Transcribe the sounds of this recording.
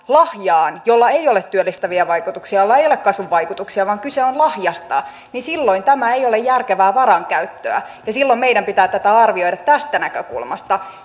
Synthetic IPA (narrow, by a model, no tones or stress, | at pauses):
lɑhjɑːnjolːɑeijolet̪t̪ːyølːist̪æʋiɑʋɑikut̪uksiɑjolːɑejolekɑsʋuʋʋɑikut̪uksiɑʋɑːŋkyseonlɑhjɑst̪ɑ̰ | nisilːoint̪æmæeijolejjærkeʋæːʋɑɾɑŋkæyt̪ːø̰æ̰ | jɑsilːommeiɾæmpit̪æːt̪æt̪æɑrʋio̞idɑt̪t̪æst̪ænækøkṵlmɑ̰st̪ɑ